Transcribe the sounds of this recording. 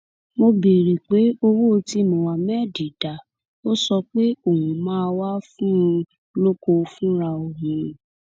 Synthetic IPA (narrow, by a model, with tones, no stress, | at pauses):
mo˧bi˨ɾi˨k͡pe˨˦o˧wo˦˧ti˦nũ˨wa˨mɛ˦˨di˨da˨ | o˦sɔ˧k͡pe˦o˨hũ˨mãː˦˧wa˦fũ˦˧ | lo˦ko˧fũ˦ɾa˧o˨ɦũ˨˦ɾĩ˨